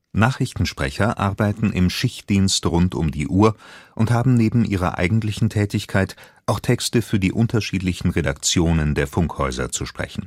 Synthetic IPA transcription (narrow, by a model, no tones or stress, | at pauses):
naːχʁ̥ɪçtn̩ʃpʁ̥ɛ̰çɐʔaɐbaɪtn̩ʔɪ̰mʃɪçtd̥iːnstʁʊntʊmdḭːʔuːɐʔʊnthaːbm̩neːbm̩ʔiːʁɐ̰ʔa̰ɪɡŋ̩tlɪçn̩tʰɛːtɪçkʰaɪt | ʔaʊxtʰɛkstəfyːɐdiːʔʊntɐʃiːtlɪçn̩ʁedak̚t͡sjoːnəndeːɐfʊŋkhɔʏzɐ̰t͡suʃpʁ̥ɛ̰çn̩